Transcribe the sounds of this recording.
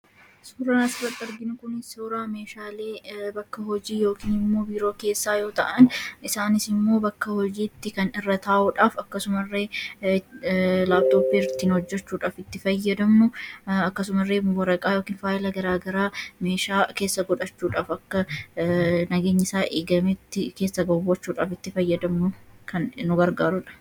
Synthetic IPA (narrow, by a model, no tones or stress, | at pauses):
suːɾɐnɐsrɐt̪ʼːɐɾɡɪnʊkʊnɪsoːɾaːme̞ːʃaːle̞ːbɐkːɐhɔd͡ʒiːjo̞ːkiːnɪmːo̞ːbiːɾo̞ːke̞ːsːaːjo̞ːt̪ɐʔɐnɪsaːnɪsɪmːo̞ːbɐkːɐhɔd͡ʒiːt̪ːɪkɐnɪrːɐt̪aːʔʊᶑaːfɐkːɐsʊmɐrːe̞ː | laːbt̪o̞ːpːiːɪɾt̪ːiːnhɔd͡ʒːɛt͡ʃːuːᶑaːfɪt̪ːɪfɐjːɐd̪ɐmnʊɐkːɐsʊmɐrːeːmʊwɐɾɐkʼaːjo̞ːkiːnfaːʔɪlɐɡɐɾaːɡɐɾaːme̞ːʃaːke̞ːsːɐɡɔᶑɐt͡ʃːuːᶑaːfɐkːɐ | nɐɡe̞ːɲːɪsaːʔeːɡɐmet̪ːɪke̞ːsːɐɡɐwːɐt͡ʃːuːᶑaːfɪt̪ːɪfɐjːɐd̪ɐmnʊkʰɐnːʊɡɐɾɡaːɾʊᶑɐ̥